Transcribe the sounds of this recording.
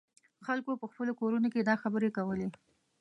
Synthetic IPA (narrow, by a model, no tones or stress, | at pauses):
xalkopəxpəlokoɾunoked̪ɑxabəɾekawəle